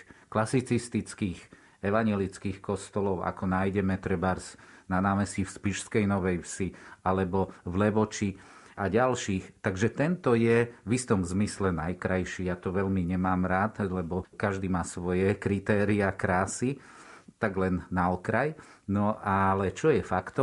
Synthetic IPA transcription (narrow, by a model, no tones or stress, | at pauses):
klasit͡sist̪it͡skiːx | ɛʋaɲɪɛlit͡skiːxkɔst̪ɔlɔʊʔa̰kɔnaːjɟɛmɛt̪ɾɛbaɾsnanaːmɛsifspiʃskɛjnɔʋɛjfsialɛbɔvlɛʋɔt͡ʃi | aɟalʃiːxt̪aɡʒɛt̪ɛnt̪ɔjɛʋist̪ɔmzmislɛnajkɾajʃijaːt̪ɔʋɛʎmiɲɛmaːmɾaːt̪lɛbɔkaʒd̪iːmaːsʋɔjɛkɾit̪ɛːɾiakɾaːsi | t̪aɡlɛnːaɔkɾajnɔʔalɛt͡ʃɔjɛfakt̪ɔ